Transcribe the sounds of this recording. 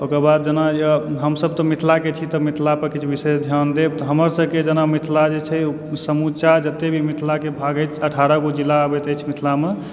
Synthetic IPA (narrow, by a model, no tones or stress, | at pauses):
okəɾbad̪̚d͡ʒənajəɦəmsəb̚t̪ɔmit̪ʰlaket͡ʃʰit̪ɔmit̪ʰlapəɾkit͡ʃʰuʋisesd̪ʱjand̪eb̚t̪ɔɦəməɾsəbked͡ʒənamit̪ʰlad͡ʒet͡ʃʰɛ | səmut͡ʃad͡ʒət̪ːebʱimit̪ʰlakebʱaɡət͡ʃʰəʈʰaɾəɡod͡ʒilːaəbɛt̪əjt͡ʃʰmit̪ʰlame